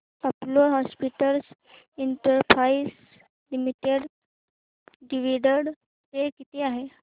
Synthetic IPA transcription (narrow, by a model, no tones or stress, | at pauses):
aploɦɔspiʈəls | iɳʈəɾpʰɾais | limiʈeɽ | ɖiʋiɖəɽ | t̪ekit̪eːaɦe